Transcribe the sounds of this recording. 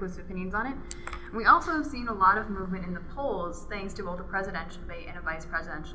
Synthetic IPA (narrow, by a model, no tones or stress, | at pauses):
ɨsɨpɪ̃njɨ̃nzn̩ɪt̚ | nwiɔlˠsoʊəv̥sĩnəlɔɾʌvmuvmɨ̃ntɨ̃nðəpʰoʊlˠz̥θæ̃ŋkstʰɨoʊlˠðəpʰɹ̥ɛzɨɾɛ̃nʃl̩ˠbeɪʔɨ̃nɨvaɪspʰɹ̥ɛzɨdɛ̃nʃl̩ˠ